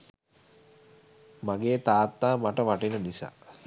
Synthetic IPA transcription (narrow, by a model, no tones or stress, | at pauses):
maɡeːt̪aːt̪ːaːmaʈəʋaʈinənisa̰ː